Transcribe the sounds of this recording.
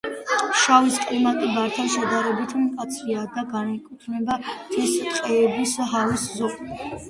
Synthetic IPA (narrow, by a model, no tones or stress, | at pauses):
ʃawiskʼlimat̪ʼɛbaɾt̪ʰanʃɛd̪aɾɛbit̪ʰmɛkʼat̪sʰɾiad̪aɡanɛkʼut̪ʰɾnɛbat̪ʰɛst̪qʼɛɛbisɦaviszɔkʼ